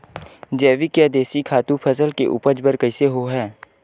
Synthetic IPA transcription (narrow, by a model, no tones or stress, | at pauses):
d͡ʒɛːʋikjaːd̪eːsikʰaːt̪ũpʰəsəlkḛʔʊ̰pəd͡ʒbəɾkəɪseɦoːɦɛː